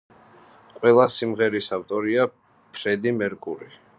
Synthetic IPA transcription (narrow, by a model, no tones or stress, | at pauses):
qʼwɛlˠasimʁɛɾisavt̪ʼɔɾia | pʰɾɛd̪imɛɾkʼuɾi